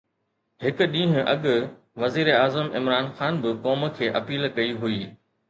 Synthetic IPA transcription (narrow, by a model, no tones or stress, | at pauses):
hɪk̆ɗĩːɦʊ̃ʔɐɠʊ | ʋɐziːɾeaːzəmɪmɾaːnxaːnbɪkɔːm̆kʰeːʔɐpiːlkɐiɦuiː